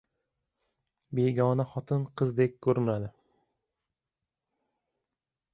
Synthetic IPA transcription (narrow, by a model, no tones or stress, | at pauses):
be̞ɡʲɒnaχɒt̪ʰɪnqʰɨzd̪ek̚ʲkʰːɵɾɪnad̪ɪ